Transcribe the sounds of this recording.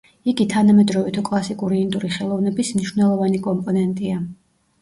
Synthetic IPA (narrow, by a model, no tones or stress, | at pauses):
iɡit̪ʰanamɛd̪ɾɔvit̪ʰukʼlˠasikʼuɾiːnd̪ʼuɾiχɛlˠɔvnɛbismniʃwvnɛlˠɔvanikʼɔmpʼɔnɛnt̪ʼia